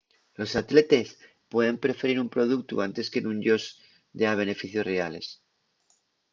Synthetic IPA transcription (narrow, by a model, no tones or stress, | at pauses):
lo̞sat̪le̞t̪es | pwe̞ðe̞mpɾe̞fe̞ɾiɾumpɾo̞ð̞uk̚t̪ṵant̪e̞skenũnʝoz | d̪eaβ̞e̞ne̞fiθjosreale̞̰s